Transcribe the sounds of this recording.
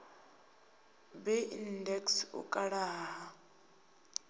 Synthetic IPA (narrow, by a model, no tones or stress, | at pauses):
bɛindɛksṵkʼaɺaːɦa